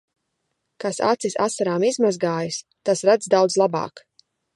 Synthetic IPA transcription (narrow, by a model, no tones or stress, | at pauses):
kasa̰t̪sisa̰saɾaːmizmazɡaːjus | t̪asɾad̪zd̪awd̪zlˠaba̰ːk